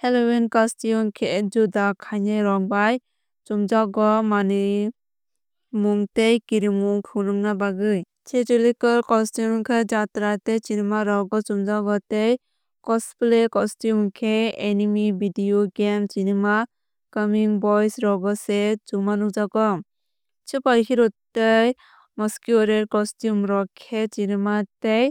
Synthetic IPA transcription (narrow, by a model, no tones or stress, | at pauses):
helɔwinkastijumkʰed͡ʒudakʰajneɾɔk̚baj | t͡ʃumd͡ʒaɡɔmani | muŋtejkiɾimuŋkʰɯnɔŋnabaɡɯj | sʰetulikɯlkɔstjumkʰɯd͡ʒatɾatesinimaɾɔɡɔt͡ʃumd͡ʒaɡɔtej | kɔsplekɔstjumkʰeenimibʱidioɡemsinema | kɔmiŋbɔjsɾɔɡɔsed͡ʒumanud͡ʒaɡɔ | t͡ʃɯpaɾkʰiɾɔtːej | mɔskjɾeɾkɔstjumɾɔkʰesinematej